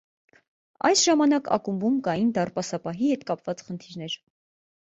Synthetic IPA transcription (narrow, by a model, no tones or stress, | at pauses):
ɑ̰jsʒɑmɑnɑkɑ̰kumbumkɑjind̪ɑrpɑsɑpɑɦihɛt̪kɑpvɑt͡sχənt̪ʰiɾn̪ɛɾ